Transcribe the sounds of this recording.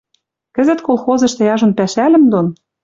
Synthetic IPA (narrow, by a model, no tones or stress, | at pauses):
kɘ̆zɘ̆t̪kolˠxozɤ̆ʃt̪ĕjɑʒŏnpæʃælɘ̆md̪on